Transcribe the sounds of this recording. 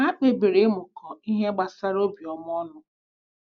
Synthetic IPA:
a˦k͡pe˨be˨ɾe˦mʊ˨kɔ˨i˦ɦe˦ɡ͡ba˨sa˦ɾo˦bi˨ɔ˨m˦ɔ˦nʊ˦

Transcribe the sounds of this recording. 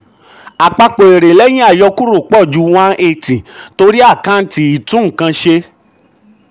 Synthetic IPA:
a˨k͡pa˧k͡po˨e˨ɾe˨lɛ˦j̃ĩ˦a˦˨jɔ˧ku˦ɾu˦˨k͡pɔ˦˨d͡ʒu˨˧w̃ã˦ʔe˧˨ti˨to˧ɾi˦a˦˨kã˦n̩˦ti˧i˦˨tũ˦˨kã˧ʃe˧

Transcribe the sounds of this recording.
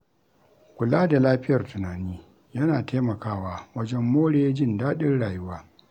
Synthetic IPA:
kʷʊ˨laː˦da˨laː˦ɸɪ˦jɐ˨rtʊ˨naː˨niː˦ | jɐ˦naː˨tʰeː˦mɐ˨kaː˦waː˦wɐ˦d͡ʒɛ˦mːoː˦ɽeː˦d͡ʒɪ˦˨ndaː˦ɗɪ˦rɽaː˨jʊ˦waː˦

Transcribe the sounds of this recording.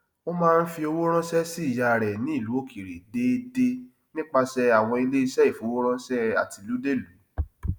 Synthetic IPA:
o˦mãː˦˧n̩˦fi˧o˧wo˦ɾ̃ɔ̃˦sɛ˦si˦˨ja˧˨ɾɛ˨nĩ˨˦i˦˨lu˨˦o˦kʰi˨ɾe˨de˦de˧ | nĩ˦k͡pa˧sɛ˧a˨w̃ɔ̃˧i˧le˦i˧ʃɛ˦i˦˨fũ˨˦o˦wo˦ɾ̃ɔ̃˦sɛ˦a̰˨ti˧˨lu˨˦de˦˨lu˨˦

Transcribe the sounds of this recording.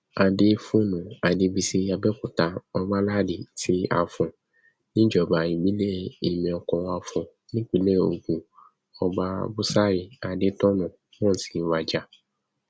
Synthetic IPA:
a˧de˦fũ˦nũ˨a˨de˧˦bi˧se˧˦a˧bɛ˦ku˨ta˧ɔ˧ɡ͡ba˦la˦˨de˨ti˦a̰˧˨fɔ̃˨ | nĩ˦d͡ʒɔ˨ba˨ĩ˨ɡ͡bi˨˦le˦˨i˨mĩ˨ɔ˧kɔ̃˧wa˧fɔ̃˨ | nĩ˦k͡pi˦le˦o̰˨˧ɡũ˨ | ɔ˧ɡ͡ba˦bu˦sa˦˨ji˨a˨de˦tɔ˦nũ˨ | wɔ̃˦˨ti̥˨n̩˦wa˦d͡ʒa˦

